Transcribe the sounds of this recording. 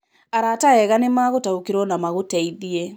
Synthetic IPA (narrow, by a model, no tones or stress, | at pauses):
aɾataɛɣanemaːɣotaokeɾwɔnamaɣotɛiðie